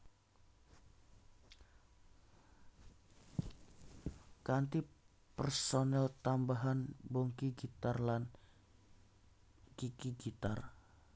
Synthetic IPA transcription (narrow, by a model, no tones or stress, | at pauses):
kant̪i | pɛrsonɛlt̪ambaɦanbɔŋkiɡit̪arlan | kikiɡit̪ar